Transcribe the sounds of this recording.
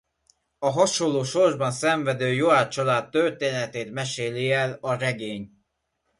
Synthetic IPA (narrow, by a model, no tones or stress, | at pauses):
ɒɦɒʃolːoːʃo̞rʒbɒnsɛɱvɛd̪øːjoaːt͡ʃɒlaːt̪ːørt̪eːnɛt̪eːt̪mɛʃeːliɛlɒɾɛɡeːɲ